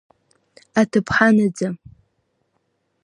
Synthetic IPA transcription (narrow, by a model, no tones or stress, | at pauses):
atʰɨpʰħanad͡za